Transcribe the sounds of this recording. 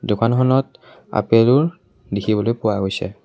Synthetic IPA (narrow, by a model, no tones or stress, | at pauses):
dʊkanxʰɔnɔt | a̰peluɹ | dikʰibɔlojpʊaɦojsɛ̰